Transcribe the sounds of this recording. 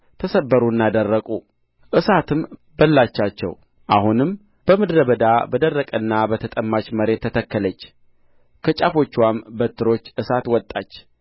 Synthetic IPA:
t̪ʰəsəbːəɾunːad̪ərːəkʼu | ʔɨsat̪ʰɨm | bəlːat͡ʃːat͡ʃːɛ̰w | ʔahunɨm | b̥əmɨd̪ɾəbəd̪abəd̪ərːəkʼənːabət̪ʰət̪ʼəmːat͡ʃməɾe̞t̪ʰːət̪ʰəkːələt͡ʃː | kʰət͡ʃʼafo̞t͡ʃːwambət̪ʰːɨɾo̞t͡ʃːɨsat̪wɔt̪ʼːat͡ʃː

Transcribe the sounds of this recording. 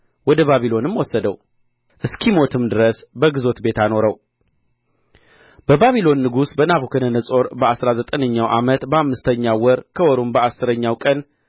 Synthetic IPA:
wɔd̪əβaβilo̞nɨmwɔsːəd̪əw | ʔɨskʰimo̞t̪ʰɨmd̪ɨɾəsbəɡɨzo̞t̪be̞t̪ano̞ɾəw | b̥əbaβilo̞nːɨɡusbənaβukʰənənəsʼo̞ɾbəasɾazət̪ʼənəɲːawʔa̰mət̪bəamːɨst̪ʰəɲːawɔɾkʰəwɔɾumbəasːɨɾəɲːawkʼən

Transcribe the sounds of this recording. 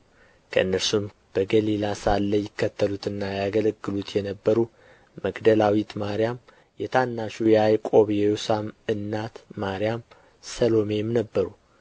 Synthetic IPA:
kʰəʔɨnːəɾsum | b̥əɡəlilasalːəjɪkːət̪ʰːəlut̪ɨnːajaɡələɡːɨlut̪ʰjɛnəbːəɾu | məɡd̪əlawit̪maɾijam | jɛt̪ʰanːaʃujɛajkʼo̞βjɛjusamɨnːat̪ːaɾijam | səlo̞me̞mnəbːəɾu

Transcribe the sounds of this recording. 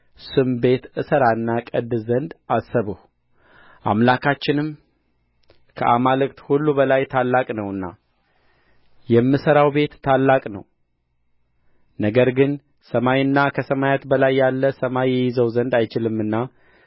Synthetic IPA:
sɨmbe̞t̪ɨsəɾaɨnːakʼəd̪ɨzənd̪asːəβəhu | ʔa̰mlakʰat͡ʃːɪnɨm | kʰə̰ʔamalɨkʼt̪hulːubəlajt̪ʰalːakʼnəwɨnːa̰ | jɛmːɨsəɾawbe̞t̪ːʰalːakʼnə̰w | nəɡəɾɡɨn | səmajɨnːakʰəsəmajat̪bəlajːalːəsəmajɛjɪzəwzənd̪ajt͡ʃɪlɨmːɨnːa

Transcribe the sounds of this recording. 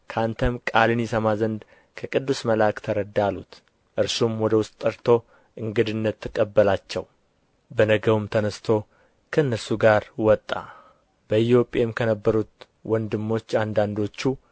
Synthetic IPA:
kʰant̪ʰəmkʼalɨnisəmazənd̪ | kʰəkʼɨd̪ːusməlakt̪ʰəɾəd̪ːalːut̪ | ʔɨɾsumwɔd̪əwʊst̪ʼːəɾt̪ʰo̞ | ʔɨŋɡɨd̪ɨnːət̪ʰːɨkʼːəbːəlat͡ʃːɛw | bənəɡəwumt̪ʰənəst̪ʰo̞ | kʰəɨnːəɾsuɡaɾwɔt̪ʼːa̰ | b̥əɪt̪jo̞pʼemkʰənəbːəɾut̪ | wʔɔnd̪ɨmːo̞t͡ʃːand̪and̪o̞t͡ʃːu

